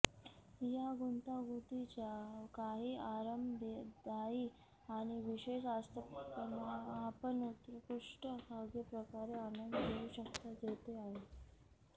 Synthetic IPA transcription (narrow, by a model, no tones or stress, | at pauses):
jaɡunt̪aɡut̪it͡ɕjakaɦiːaɾəmd̪ed̪aiː | aɽ̃iʋiɕeɕast̪ʰəənaapənut̪ɾəkuʂʈəkaɡepɾəkaɾeanənd̪keuːɕəkt̪ad̪ʱet̪eaɦe